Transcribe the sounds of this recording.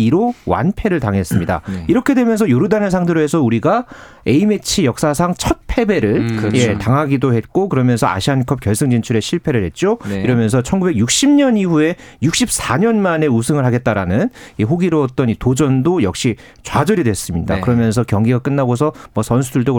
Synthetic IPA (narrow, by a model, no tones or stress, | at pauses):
iɾowa̰npʰe̞ɾɯɭtaŋɦe̞s͈ɯmɲida̰iɾʌkʰe̞dwe̞mjʌns̬ʰʌjoɾudanɯɭsʰaŋdʰɯɾoe̞sʰʌuɾiɡa | e̞ime̞t͡ɕʰijʌk̚s͈asʰaŋt͡ɕʰʌt̚pʰe̞be̞ɾɯɭje̞taŋɦaɡidohe̞t̚k͈okɯɾʌmjʌnsʰʌa̰ɕʰiɦankʰʌp̚kjʌɭs͈ʰɯŋd͡ʑint͡ɕʰuɾe̞ɕʰiɭpʰe̞ɾɯɭhe̞t̚t͡ɕ͈oiɾʌmjʌnsʰʌt͡ɕʰʌnɡube̞ɡjuk̚ɕ͈ʰimɲʌniɸue̞juk̚ɕ͈ip̚s͈ʰaɲʌnmane̞usʰɯŋɯɭɦaɡe̞t̚t͈aɾanɯniɦoɡiɾoʌt̚t͈ʌnitod͡ʑʌndojʌ̰kɕ͈i | t͡ɕwad͡ʑʌɾidwes͈ɯmɲida̰kɯɾʌmjʌns̬ʰʌkjʌŋɡiɡak͈ɯnːaɡosʰʌmwʌsʰʌns̬ʰuduɭdoɡ